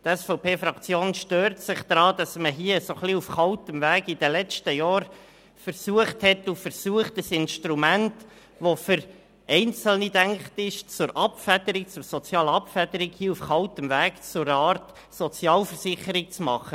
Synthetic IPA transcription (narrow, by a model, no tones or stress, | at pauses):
tɛsfɔʊpʰeːfɾɑkt͡sjoːnʃtøːɾtsɪχd̥̪ɾɑːd̥̪ɑsməɦiəsoχliufχɑʊtəmvæːɡid̥əlɛt͡ʃtəjɑːɾ | fəɾsuəχthɛtufəɾsuəχtəsɪnʃtɾumænt | ʋofʏɾ | ɛɪnt͡səl̩nidæŋkχtɪʃt͡sʊɾʔɑpfæd̪̥əɾɪk̚t͡sʊɾsɔt͡sjɑːləɑpfæd̥̪əɾɪkhiːufχɑltəmvæːkt͡sʊɾəɑːɾt | sɔt͡sjɑːlfəɾsɪχəɾɪk̚t͡smɑ̰χə